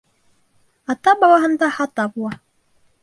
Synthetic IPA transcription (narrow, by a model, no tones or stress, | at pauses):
ɑt̪ɑbɑlˠɑɦɤ̆nd̪ɑhɑt̪ɑbulˠɑ